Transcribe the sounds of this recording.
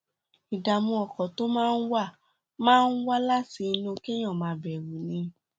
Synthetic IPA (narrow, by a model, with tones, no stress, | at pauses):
i˨da˨mũ˧ɔ˨kɔ˨to˦mãː˦˧n̩˦wa˦˨ | mãː˦n̩˦wa˦la˦ti˨˧˦nũ˧kɛ˦j̃ɔ̃˦˨mãː˧˦bɛ˨ɾu˨nĩ˧˦